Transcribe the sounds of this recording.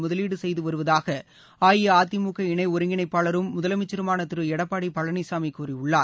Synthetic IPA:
mʊðɐliːɽɯsɛjðɯʋɐɾɯʋɐðaːɣɐ | aːjɪjɐaːt̪ːɪmuːkɐɪɳɐɪɔɾɯŋɡɪɳɐɪpːaːɭɐɾɯmːʊðɐlɐmɪt͡ʃːɪɾɯmaːnɐt̪ːɪɾɯɛɽɐpːaːɽipɐɭɐɳisaːmikːuːɾiʊɭːaːɾ

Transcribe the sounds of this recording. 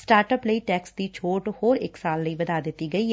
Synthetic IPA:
sʈaːɾʈəpləiːʈɛːksd̪iːt͡ʃʰoːʈhoːɾɪksaːlːəiːbəd̪aːd̪ɪt̪ːiːɡəiː

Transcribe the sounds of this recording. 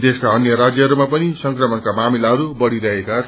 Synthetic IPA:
d̪eskaʌnjʌɾad͡zjʌɦʌɾumapʌnisʌŋkrʌmʌnkamamilaɦʌɾubʌɽiɾʌɦeka

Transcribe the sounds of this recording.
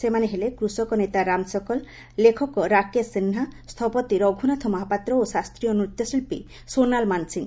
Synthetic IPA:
semaneɦelekɾusɔkɔnet̪aɾamsɔkɔlː | ekʰɔkɔɾakesinɦast̪ʰɔpɔt̪iɾɔɡʱunat̪ʰɔmɔɦapat̪ɾɔosast̪ɾijɔnɾut̪jɔsilpḭ | sonalmansiŋ

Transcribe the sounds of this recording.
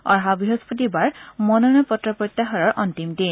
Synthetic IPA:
ɔ̰ɹɦabɹiɦɔspɔt̬ibaɹmɔnɔnɔpɔtɹɔpɹɔt̪ːaɦɔɹɔɹʔɔntimdin

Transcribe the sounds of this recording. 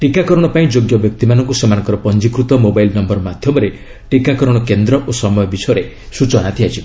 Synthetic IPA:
ʈikakɔɾɔɽ̃ɔpaĩd͡ʒoɡjɔbjɔk̚t̪imanɔŋkusemañɔŋkɔɾɔpɔnd͡ʒikɾut̪ɔmobajlnɔmbɔɾmad̪ʱjɔmɔɾe | ʈikakɔɾɔɽ̃ɔkend̪ɾɔʔosɔmɔjɔbisɔɾe | sut͡ʃɔnat̪ʰiat͡ʃʰi

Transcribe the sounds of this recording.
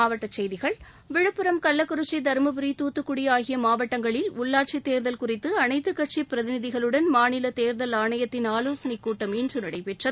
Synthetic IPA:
aːʋɐʈːɐt͡ʃːɛjðɪɣɐɭ | ʋɪɻɯpːɯɾɐmkɐlːɐkːʊɾɯt͡ʃːɐɪd̪ɐɾmɐbɯɾit̪uːt̪ːɯkːʊɽɪjaːɣɪjɐmaːʋɐʈːɐŋɡɐɭɪlʊɭːaːʈ̚t͡ʃit̪eːɾðɐlkʊrɪt̪ːɯɐnɐɪt̪ːɯkːɐʈ̚t͡ʃipɪɾɐðɪnɪðɪɣɐɭɯɽɐnmaːnɪlɐt̪eːɾðɐlaːɳɐjɐt̪ːɪnaːloːsɐnɪkːuːʈːɐmindrɯnɪɽɐɪpɛʈrɐðɯ

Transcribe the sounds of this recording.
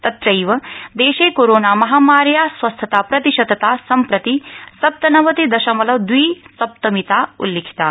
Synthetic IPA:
t̪ɐt̪ɾɐjʋɐd̪eːʃeːkoɾoːnaːmɐɦaːmaːɾjaːsʋɐst̪ʰɐt̪aːpɾɐt̪iʃɐd̪ɐt̪aːsɐmpɾɐt̪isɐp̚t̪ɐnɐʋɐt̪id̪ɐʃɐmɐlɐʋd̪ʋiːsɐp̚t̪ɐmit̪aːṵlːeːkʰi̥t̪aː

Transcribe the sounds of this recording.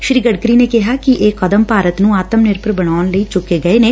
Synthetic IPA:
ʃɾiːɡəɽkɾiːneːkɪɦaːkɪʔeːkəd̪əmpaːɾət̪nũːaːt̪əmnɪɾpəɾbəɽaːnləiːt͡ʃʊkːeːɡəeːneː

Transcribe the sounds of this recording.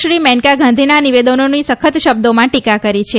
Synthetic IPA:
ʃɾimɛ̃ɳkaɡʱãnd̪ʱinaniʋed̪ənonisəkʰət̪ʃəb̚d̪omãʈikakəɾit͡ʃʰe

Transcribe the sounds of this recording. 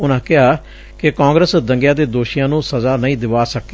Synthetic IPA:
ʊnãːkɪɦaː | kɪkãːŋɡɾəsd̪əŋɡjãːd̪eːd̪oːʃijãːnũːsəzaːnəĩːd̪ɪʋaːsəkeː

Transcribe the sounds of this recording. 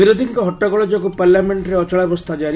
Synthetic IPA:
iɾod̪ʱiŋkɔɦɔʈːakɔɭɔd͡ʒɔkupaɾljameɳʈɾeɔt͡ʃɔɭabɔst̪ʰad͡ʒaɾ

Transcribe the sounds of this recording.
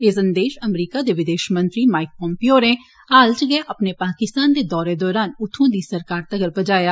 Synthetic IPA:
ɪsənd̪eːʃəmɾiːkaːd̪eːʋɪd̪eːʃmə̃nt̪ɾiːmaːɪk̚pɔ̃mpioːɾẽː | aːlt͡ʃɡeʔəpneːpaːkɪst̪aːnd̪eːd̪ɔːɾeːd̪ɔːɾaːnʊt̪ʰːõːd̪iːsəɾkaːɾt̪əɡəɾpəd͡ʒaːjaː

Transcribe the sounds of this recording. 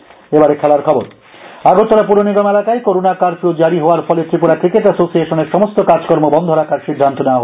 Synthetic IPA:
ebaɾekʰɛlaɾkʰɔboɾ | aɡot̪ːoɾapuɾoniɡomɛlakaekoɾonakaɾfod͡ʑaɾiɦooaɾfɔlet̪ɾipuɾakɾikeʈasosieʃoneɾʃɔmost̪okaɾd͡ʑo̥koɾmobɔnd̪ʱoɾakaɾʃid̪ʱːant̪onewaɦo

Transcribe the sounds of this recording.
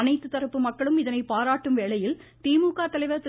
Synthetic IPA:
ɐnɐɪt̪ːɯt̪ːɐɾɯpːɯmɐkːɐɭɯmɪðɐnɐɪpaːɾaːʈːɯmʋeːɭɐjɪlt̪iːmuːkaːt̪ɐlɐɪʋɐɾt̪ː

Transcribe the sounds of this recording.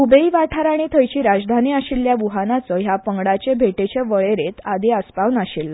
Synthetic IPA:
ubeiʋaʈʰaɾaɽ̃it̪ʰəjt͡ɕiːɾad͡zd̪ʱaniːəɕiljaʋuɦanat͡sɔɦjapəŋɡɽat͡ɕebʱeʈet͡ɕeʋəɭeɾet̪ad̪ʱiəspawnaɕilːa

